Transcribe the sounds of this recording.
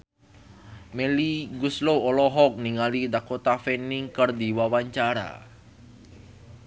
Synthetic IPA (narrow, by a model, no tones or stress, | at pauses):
meliɡusloolɔɦɔk̚niŋalidakot̪afɛniŋkərdiwawaɲt͡ʃaɾa̰